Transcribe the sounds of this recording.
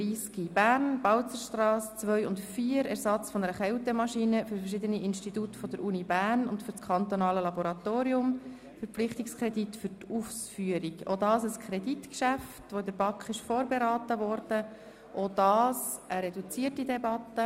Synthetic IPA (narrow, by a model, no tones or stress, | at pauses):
iːskib̥æːɾnbɑwt͡səʃtrɑːst͡sʋœʏʊntfiːəɾɛɾsɑt͡sfɔnəɾəχɛlt̪ɛmɑʃinəfʏɾfɛɾʃ̬ɪd̪əniʔɪnʃtit̪utfɔd̥̪əɾʔunibæːɾnʊntfʏɾt͡skʰχɑnt̪onɑːləlɑboɾɑt̪oːɾiʊm | fəɾpp͡flɪχt̪ikskʰɾɛditfʏɾtufsfyəɾiɡo̰d̪ɑːsəskʰɾɛditkʃæftʋod̪əɾb̥ɑkχɪʃfoːɾbeɾɑːt̪əvɔɾd̥ə | ʔod̥ɑːsʔəɾɛdut͡siətidɛbɑt̪ːə